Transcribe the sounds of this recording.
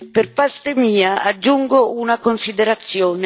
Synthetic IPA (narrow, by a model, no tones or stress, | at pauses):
perpart̪emiːaad͡ʒːuŋɡounakonsid̪eɾat̪sːjoːn